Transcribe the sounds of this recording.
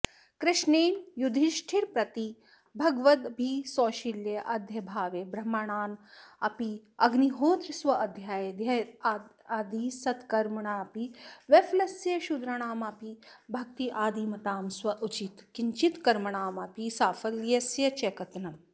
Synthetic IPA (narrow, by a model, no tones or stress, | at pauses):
kɾɪʃneːnjud̪ʱiʃʈʰiɾpɾɐt̪i | bʱɐɡʋɐt̪bʱisoːʃiljɐʔɐd̪ʱjɐbʱaːʋeːbɾɐmːɐɳaːnɐpiɐɡniɦoːt̪ɾisʋɐʔɐd̪ʱjaːjɐd̪jɐ | ɐd̪iːsɐt̪kɐɾmɐɳaːpiʋɐflɐsjɐʃud̪ɾɐɳaːmɐpibʱɐk̚t̪iʔaːd̪iːmɐt̪aːmswɐʔut͡ʃit̪kiɲt͡ʃit̪kɐɾmɐɳaːmɐpisaːfɐljɐsjɐt͡ʃekɐt̪nɐ